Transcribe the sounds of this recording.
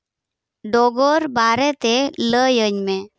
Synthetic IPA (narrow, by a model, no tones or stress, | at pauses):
ɖɔɡɔɾbaɾɛt̪eləjəɲme